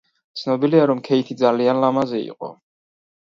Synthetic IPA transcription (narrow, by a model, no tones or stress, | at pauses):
t̪sʰnɔbiliaɾɔmkʰɛit̪ʰid̪zalianlamazɛḭqʼɔ̰